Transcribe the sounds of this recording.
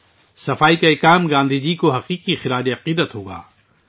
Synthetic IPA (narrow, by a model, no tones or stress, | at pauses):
sɐfaːikaeːkaːmɡãːnd̪ʱid͡ʒiːkoɦɐqiːqixɪɾaːd͡ʒiɐqiːd̪ət̪ɦoːɡa̰ː